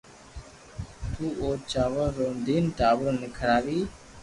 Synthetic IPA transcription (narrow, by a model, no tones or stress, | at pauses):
t̪uːoːt͡ʃaːʋəɾːõːnd̪ʱiːnʈaːʋəɾnɪkʰəɽaːʋiː